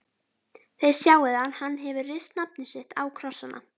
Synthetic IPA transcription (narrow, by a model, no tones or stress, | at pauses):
θejð̥sjaːwɪðanhanːɦɛvʏrɪst̪napnɪsɪht̪awkʰɾɔsːanʔa̰